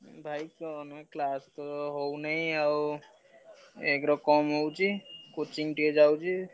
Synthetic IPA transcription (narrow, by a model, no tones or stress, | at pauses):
bʱajksɔneklast̪ɔɦownəjaw | ekɾɔkɔmɦowt͡ʃikot͡ʃiŋʈed͡ʒawt͡ʃi